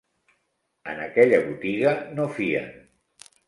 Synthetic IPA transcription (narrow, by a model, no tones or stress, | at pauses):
ə̰nəkɛʎəβut̪iɣənofiə̰